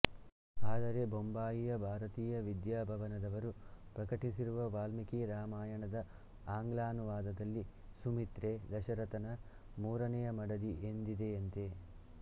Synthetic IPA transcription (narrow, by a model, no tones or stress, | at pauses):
aːd̪ɐɾe̞bombaːjijɐbʱaːɾɐt̪iːjɐʋid̪jaːbʱɐʋɐnɐd̪ɐʋɐɾupɾɐkɐʈisiɾuʋɐʋaːlmikiɾaːmaːjɐɳɐd̪ɐ | aːŋɡlaːnuʋaːd̪ɐd̪ɐlːisumit̪ɾed̪ɐʃɐɾɐt̪ɐnɐ | muːɾɐnɛjɐmɐɽɐd̪iʔend̪id̪e̞ɐnt̪e̞